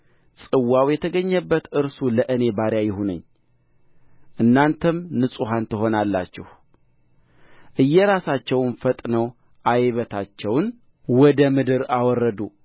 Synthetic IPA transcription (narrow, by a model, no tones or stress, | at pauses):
sʼɨwːawjɛt̪ʰəɡəɲːəbːət̪ɨɾsuləʔɨne̞baɾjajɪɦunə̰ɲː | ʔɨnːant̪ʰəmnɨsʼuɦant̪ɨɦo̞nalːa̰t͡ʃːɛ̰h | ʔɨjːɛɾasat͡ʃːɛwnfət̪ʼnəw | ʔajβət̪ʰat͡ʃːɛwn | wɔd̪əmɨd̪ɨɾawɔrːəd̪u